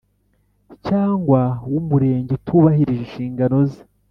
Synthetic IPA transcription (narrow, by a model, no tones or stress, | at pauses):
caːŋɡwawumuɾe̞ːɲɟetʰuːβahiɾiʒenʃiːŋɡano̞zi̥